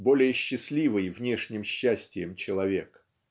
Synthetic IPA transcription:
bo̞lʲɪjəɕːɪsʲlʲivɨjvnʲe̞ʂnʲɪmɕːæsʲtʲɪjəmt͡ɕɪlˠɐvʲe̞k

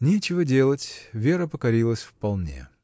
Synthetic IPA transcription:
nʲet͡ɕɪvədʲe̞lˠətʲvʲe̞ɾəpəkɐɾʲilˠəsʲfpɐlˠnʲḛ

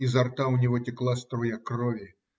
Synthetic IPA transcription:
izart̪awnʲiɣɔtʲiklˠast̪ɾɔjakrɔvʲi

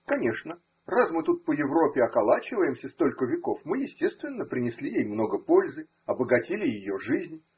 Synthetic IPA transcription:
kɐnʲe̞ʂnə | rasmɨt̪ut̪̚pəjɪvɾo̞pʲɪɐkɐlˠat͡ɕɪvəjɪmsʲəst̪o̞lʲkəvʲɪko̞fmɨjɪsʲtʲe̞st̪vʲɪnːəpɾʲɪnʲɪsʲlʲijejmno̞ɡəpo̞lʲzɨ | ɐbəɡɐtʲilʲɪjɪjo̞ʐɨzʲnʲ

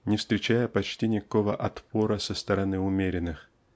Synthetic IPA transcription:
nʲɪfst̪ɾʲɪt͡ɕæjəpɐt͡ɕtʲinʲɪkɐko̞və̰ʔɐt̪po̞ɾəsəst̪əɾɐnɨʊmʲeɾʲɪnːɨx

